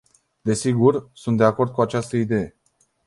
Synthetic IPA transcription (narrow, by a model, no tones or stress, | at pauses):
d̪e̞siɡursunt̪̚d̪e̞ako̞rd̪̚kuat͡ʃast̪əid̪e̞je̞